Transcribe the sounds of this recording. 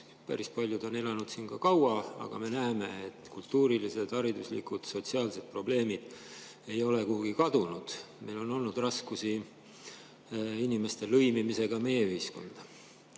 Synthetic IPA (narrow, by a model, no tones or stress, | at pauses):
pæ̰ɾispɑlʲjud̪̥o̞ne̞lɑnud̪̥siːnkɑkɑwɑɑ̰ɡ̥ɑ̰me̞næːme̞et̪ːˑkult̪ːuːɾilise̞d̪̥ɑɾid̪̥uslḭkud̪̥so̞t̪siɑːlse̞d̪̥̚pro̞ble̞ːmid̪̥ | e̞jo̞lekuhuɡ̥ikɑd̪̥unud̪̥ | me̞jlo̞no̞lnud̪̥rɑskusi | inime̞st̪e̞lɤ̞jmimise̞ɡ̥ɑme̞je̞yhisko̞̰nd̪̥ɑ